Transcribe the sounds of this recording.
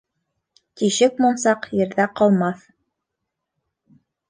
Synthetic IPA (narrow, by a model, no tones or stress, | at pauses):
t̪iʃɘk̚mŭnsɑqjɘ̆ɾðæqɑlˠmɑθ